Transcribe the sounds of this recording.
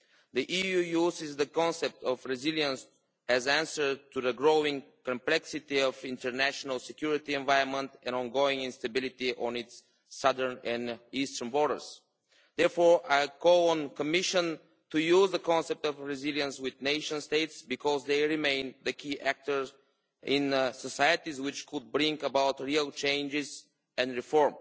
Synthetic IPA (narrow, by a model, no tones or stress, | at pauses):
ðiʔijujuzɪzðəkɔ̃nsɛp̚t̪ɔvɹɪziljə̃ns | ɛzæ̃nsə˞tuðəɡɹoʊɪ̃ŋkɔ̃mplɛksɪt̪iɔvɪ̃ntə˞næʃɔnəlˠsɛkjuɹit̪iɛ̃nvaɪə̃nmə̃nt̪ɛ̃nɔ̃nɡoɪ̃ŋɪ̃nst̪əbɪlˠɪt̪iʔɔ̃nɪtsː | ʌðə˞nɛ̃nistə˞nbɔɹɾə̰˞z̥ | d̪ɛɹfɔɹʔaɪkoʊə̃nkəmɪʃə̃n | t̪ujuzðəkɔ̃nsɛp̚t̪ɔvɹɪzilˠjə̃nswɪðneɪʃə̃nst̪eɪt̪sbikʰɔzðeɪɹimẽɪ̃nðəkʰiʔæk̚t̪ə˞z | ɪ̃nsɔsajət̪izwɪt͡ʃkʰʊd̪̚bɹɪ̃ŋkəbaʊt̪ɹiəlˠt͡ʃẽɪ̃nd͡ʒɪz | ɛ̃ndɹifɔɹm